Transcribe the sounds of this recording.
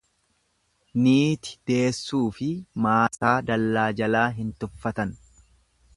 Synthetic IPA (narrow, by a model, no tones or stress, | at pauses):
niːt̪ɪ̥d̪̥e̞ːsːuːfɪmaːsaːd̪ɐlːaːd͡ʒɐlaːɦɪnt̪ʊfːɐt̪ɐn